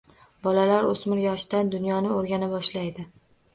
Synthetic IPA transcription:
bɒlalaɾosmɪɾjɒʃd̪and̪ʊnjɒnɪoɾɡʲanabɒʃlajd̪ɪ

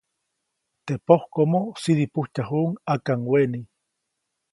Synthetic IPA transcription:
t̪epohkomosid̪ipuht͡ʃaɦuːŋakaŋweni

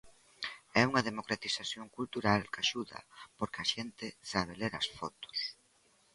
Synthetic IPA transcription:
ɛuŋɐðemokɾat̪isaθjoŋkult̪uɾalkaʃuðɐ̰poɾkɪɐʃent̪ɪsaβeleɾɐsfɔt̪ʊ̥s

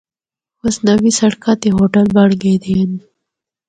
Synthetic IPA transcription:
osnɐwisɐɽkat̪eɦoʈəlbaɽɡed̪en

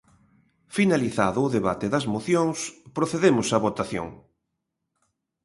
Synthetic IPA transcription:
finaliθa̰ðʊːðeβa̰t̪eðɐzmoθjoŋspɾoθeðemʊsɐβot̪aθjo̰ŋ

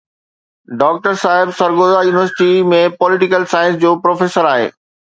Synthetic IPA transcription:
ɖɔːk̚ʈəɾsaːɦɪbsɐɾɡoːzajuːnɪʋəɾsɪ̥ʈimẽpɔːlɪʈɪkəlsaːɪ̃ns̬d͡ʑoːpɾoːfeːsəɾaːɦḛː

